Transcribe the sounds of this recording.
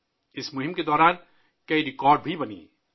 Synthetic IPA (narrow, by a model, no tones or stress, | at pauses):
ɪsmʊɦɪ̃mked̪ɔːɾaːn | kɐiɾɪkɔːɾɖbʱibɐnḭː